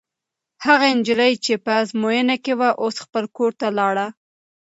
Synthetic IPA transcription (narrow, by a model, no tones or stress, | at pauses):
haɣaɪnd͡ʒɪləjt͡ʃepəzmojənakewaʔosxpəlkoɾt̪alɑɽa